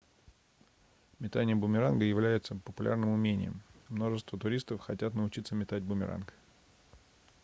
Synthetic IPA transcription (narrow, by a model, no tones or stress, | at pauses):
mʲɪt̪anʲɪjəbʊmʲɪɾanɡəjɪvlʲæjɪt̪səpəpʊlʲʔa̰rnɨmʊmʲenʲɪ̰jɪ̰mːno̞ʐɨst̪vət̪ʊɾʲist̪əfxɐtʲat̪nəʊt͡ɕit̪səmʲɪt̪ad̚ʲbʊmʲɪ̰ɾa̰nk